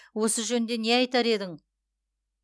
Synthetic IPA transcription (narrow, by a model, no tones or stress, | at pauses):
wo̞səʒɵnd̪e̞neɑjt̪ɑɾe̞d̪ɪŋ